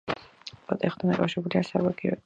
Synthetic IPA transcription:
pɔt̪ʼɛχd̪ʰand̪akʼafʃiɾɛbuliasabaɡiɔ̰

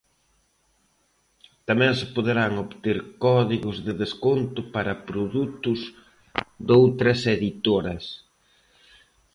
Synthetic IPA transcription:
t̪amɛ̃ŋsɪpoðeɾaŋoβt̪eɾkɔðiɣʊzðɪðeskont̪ʊpaɾɐpɾoðut̪ʊz | d̪owt̪ɾɐseðit̪oɾɐs

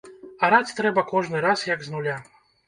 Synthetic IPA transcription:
ɐɾat͡sʲt̪ɾɛbɐkɔʐnɨɾasjɐɡznulʲa

